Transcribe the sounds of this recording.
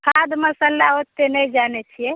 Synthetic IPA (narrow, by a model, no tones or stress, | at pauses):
kʰad̪məsəlːaot̪ːenəjd͡ʒanɛt͡ʃʰijɛ